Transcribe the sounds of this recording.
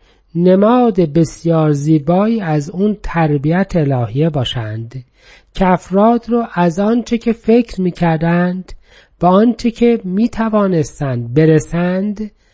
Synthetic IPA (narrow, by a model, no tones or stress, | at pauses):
nemɒːd̪e̞be̞sjɒːɾziːbɒːiːæzuːnt̪ʰæɾbiæt̪ʰelɒːhijebɒːʃænd̪ | cʰeæfɾɒːd̪ɾɔːʔæzɒːnt͡ʃʰe̞cʰe̞fe̞cʰɾmiːcʰæɾd̪ænd̪̥ | b̥æɒːnt͡ʃʰe̞cʰe̞miːt̪ʰævɒːne̞st̪ænd̪̚be̞ɾesænd̪